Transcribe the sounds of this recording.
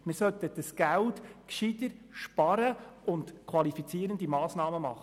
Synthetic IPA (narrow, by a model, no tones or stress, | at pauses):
mɪɾsœt̪əd̥əsɡ̥æltkʃidəɾʃpɑɾəʊntkʰʋɑlifit͡siːəɾənd̪imɑːsnɑːməmɑ̰χə